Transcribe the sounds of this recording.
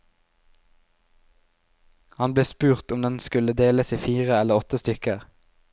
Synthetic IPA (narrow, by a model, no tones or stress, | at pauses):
hɑnbleːspʉːʁt̪ʊmd̪ɛnskʉləd̪eːləsiːfiːʁəɛləʁɔt̪əst̪ʏkəʁ